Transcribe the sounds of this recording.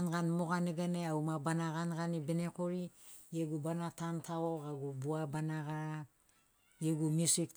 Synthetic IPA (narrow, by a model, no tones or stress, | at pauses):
nɡanmoɡaneɡaneawmabanaɡanɡanibenekoɾijeɡubanatantʰaoɡaɡubuabanaɡa | jeɡumisik̚